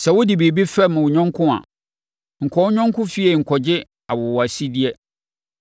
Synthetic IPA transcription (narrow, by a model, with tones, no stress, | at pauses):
sɛ˨wʊ˦di˨bi˨bi˦fɛ˦˨mʊ̃˨wʊ˨ɲᶣɔ̃˦ŋ˦kʰʊ̃˦a̰˨ | ŋ̩˨kʰɔ˨˦ɲᶣɔ̃˦ŋ˦kʰʊ̃˦fi˦ɛ˨ŋ̩˨kʰɔ˨d͡ʑɪ˦ | a˨wʊ˨wɔ˨a˨si˦di˦ɛ˦